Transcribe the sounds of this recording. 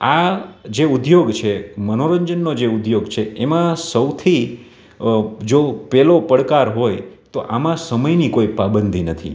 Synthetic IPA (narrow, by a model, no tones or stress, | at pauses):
ad͡ʒeud̪joɡt͡ʃʰemənoɾəɲd͡ʒənːod͡ʒeud̪joɡt͡ʃʰeemãsəwt̪ʰi | d͡ʒopɛlopəɽkaɾɦojt̪oʔamãsəməjnikoipabənd̪ʱinət̪ʰḭ